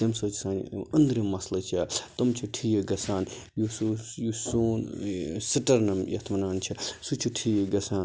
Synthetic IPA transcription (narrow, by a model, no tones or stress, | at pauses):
ɐmsot͡ʃi̥saːnḭɐnd̪ɾimɐslɐt͡ʃʰat̪ɐmt͡ʃʰiʈʰiːjeɡɐsaːn | jusujusoːnsiʈɐɾnɐmjɐ̰t̪ʰmɐnaːnt͡ʃʰisut͡ʃʰuʈʰiːjeɡɐsaːn